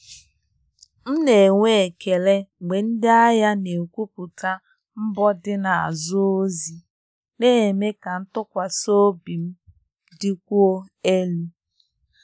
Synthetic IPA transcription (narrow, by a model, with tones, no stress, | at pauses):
m̩˦ne˨ŋʷe˦˨ke˨le˦ɡ͡be˨n̩˦dɪ˦a˦ja˦ne˨kʷu˦pu˨ta˦ | m̩˦bɔ˦dɪ˦na˨a̰˨zʊ˦o˦zi˨ | ne˦e˨me˦ka˨n̩˦tʊ˦kʷa˨so˦bi˨m̩˦ | dɪ˦kʷu˦o˦e˦lu˦